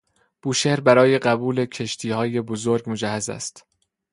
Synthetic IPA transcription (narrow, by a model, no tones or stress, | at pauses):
b̥uːʃehɾbæɾɒːje̞ɢæbuːle̞cʰe̞ʃt̪ʰiːhɒːje̞bozoɾɡmo̞d͡ʒæhːæzæ̰st̪